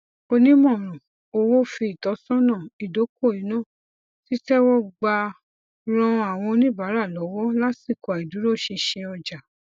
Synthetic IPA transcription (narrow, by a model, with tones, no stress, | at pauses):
o˧nĩ˦mɔ̃˦˨ɾ̃ũ˨ | o˧wo˦fi˧i˨tɔ˨˧˦sɔ̃˦nã˦˨i˨do˨˦ko˦˨i˨˦nɔ̃˦˨ | ti˦tɛ˦wɔ˦ɡ͡ba˧ | ɾ̃ɔ̃˧a˨w̃ɔ̃˧o˧nĩ˦˨ba˨˦ɾa˦˨lɔ˨˦wɔ˦la˦si˦˨kɔ˨a˨i˨du˨˦ɾo˦˨ʃĩ˧ʃɛ̃˧ɔ˧d͡ʒa˨